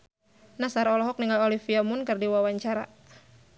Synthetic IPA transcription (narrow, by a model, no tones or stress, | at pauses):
nasaɾaɔlɔɦɔk̚niŋɡalɔlifiamʊnkɨrdiwawaɲt͡ʃaɾa̰